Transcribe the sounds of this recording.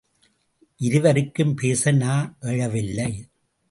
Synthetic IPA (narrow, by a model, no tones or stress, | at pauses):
ʔɪɾɯʋɐɾɯkːɯmpeːsɐnaːʔɛɻɐʋɪlːɐɪ